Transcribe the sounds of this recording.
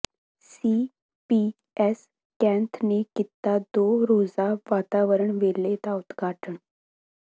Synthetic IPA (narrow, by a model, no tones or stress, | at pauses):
si | pi | es | kɛ̃nt̪ʰnekit̪ːad̪oɾod͡zaʋat̪aʋəɾəɳʋelet̪aud̪ɡʱaʈʰəɳ